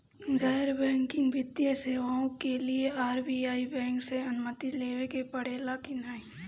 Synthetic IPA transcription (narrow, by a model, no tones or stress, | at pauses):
ɡɛːɾbɛ̃ːŋkɪ̃ŋɡʋɪd̪jəseːʋaõkelieaːɾbiaːibɛ̃ːŋkseɐnʊmət̪ileːʋekepɐɽ̤eːlakinaːɦĩ